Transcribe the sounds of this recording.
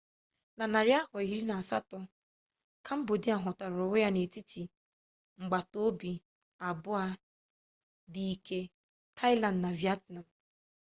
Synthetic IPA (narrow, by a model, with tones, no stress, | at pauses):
na˨na˨ɾɪ˦a˦hɔ˨i˦ɾi˦na˨a˨sa̰˦tɔ˦ | kʰa˦m̩˦bo˨di˦a˨ɦʊ˨ta˨ɾʊ˨ʊ˦ja˦ne˨ti˦ti˨ | ŋ͡m̩˨ɡ͡ba˨to˦bi˨ | a˨bʊ˦a˦ | di˨i˨ke˦ | tʰa˦ɪ˦la˨ndna˨vja˦tna˨m˨